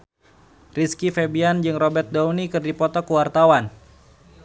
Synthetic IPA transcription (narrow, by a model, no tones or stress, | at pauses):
riskifebiand͡ʒɨŋrɔbɛrt̪̚daunikɨrdipɔt̪ɔkuwart̪awan